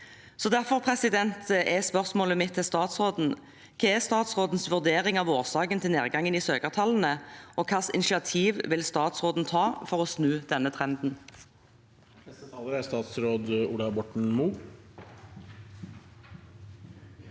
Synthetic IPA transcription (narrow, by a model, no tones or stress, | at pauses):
sɔd̪æʁfɔʁpʰʁɛsɪd̪ɛnt̪ɛspœʁsmoːləmɪt̪ʰːɪlst̪ɑːt̪sʁoːd̪n̩ | kʰɑæst̪ɑːt̪sʁoːd̪n̩sʋʉʁd̪eːʁɪŋɑʋoːʁsɑːkənt̪ʰɪlneːʁɡɑŋːəniːsøːkəʁt̪ʰɑln̩əʔɔkʰɑːsɪ̰nɪʃɪɑt̪ʰiːʋʋɪlst̪ɑːt̪sʁoːd̪n̩t̪ʰɑːfɔʁɔsnʉːd̪̥ɛnːət̪ʰʁɛnd̪n̩ | ɑləɾæst̪ɑːt̪sɾoːd̪uːlɑbɔʈɳ̩muː